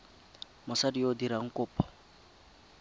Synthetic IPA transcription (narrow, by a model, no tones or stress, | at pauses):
mʊsadiodiɾaŋ̩kʊːpʰɔ̥